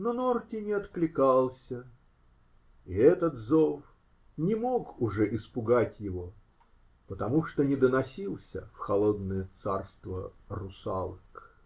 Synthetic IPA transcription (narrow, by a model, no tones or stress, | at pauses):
nonortʲɪnʲɪɐt̪klʲɪkɑlˠsʲə | ɪɛt̪ət̪zof | nʲɪmo̞kʊʐɛʔɪspʊɡatʲjɪvo | pət̪ɐmuʂt̪onʲɪd̪ənɐsʲilˠsʲə̰fxɐlˠod̪nəjət̪sarst̪vərʊsa̰lˠɨk